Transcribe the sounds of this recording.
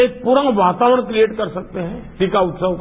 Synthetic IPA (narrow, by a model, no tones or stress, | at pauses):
eːk̚puːɾãʋaːt̪aːʋəɽ̃kɾieːʈkɐɾsɐk̚t̪eɦɛ̃ɖikaʊt̪səʋk